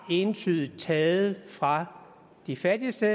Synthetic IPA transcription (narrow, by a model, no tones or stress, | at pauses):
e̝nt͡sʰyð̩ˠt͡sʰɛːð̩ˠəfʁɑ̈ | d̥ifæd̥isd̥ə